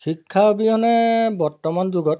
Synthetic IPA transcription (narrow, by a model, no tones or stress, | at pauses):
xikʰːaobiɔnɛbɔɹtɔmand͡ʒuɡɔt̚